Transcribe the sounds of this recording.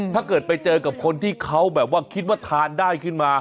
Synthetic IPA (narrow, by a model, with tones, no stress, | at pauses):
aː˥˩kɤː˨˩t̪̚pa˧jt͡ɕɤː˧ka˨˩p̚kʰo˧nt̪ʰiː˥˩kʰa˦˥wbɛː˨˩p̚waː˥˩kʰi˦˥t̪̚waː˥˩t̪ʰaː˧ndaː˥˩jkʰɯ˥˩nmaː˧